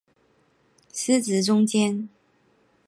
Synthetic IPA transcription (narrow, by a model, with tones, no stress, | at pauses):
s̩˥t͡sɹ̩˨˥ʈ͡ʂʊ˥ŋt͡ɕjɛ˥n